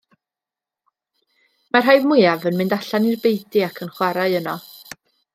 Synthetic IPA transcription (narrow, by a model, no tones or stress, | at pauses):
marɦajvmʊjavənmɪndaɬanirbejdiakʰənχwaɾaɨənɔ